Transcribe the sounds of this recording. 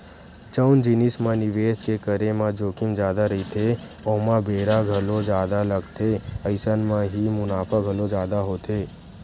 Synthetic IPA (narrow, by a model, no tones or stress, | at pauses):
t͡ʃəʊnd͡ʒɪnɪsmãnɪʋeːskekəɾemãd͡ʒoːkɪmd͡ʒjaːd̪aɾɐɦit̪ʰe | oːmãbeːɾaɡʱɐlõd͡ʒjaːd̪alɐɡt̪ʰeəɪsənmãɦimʊnaːfʰaɡʱɐlõd͡ʒjaːd̪aɦoːt̪ʰeː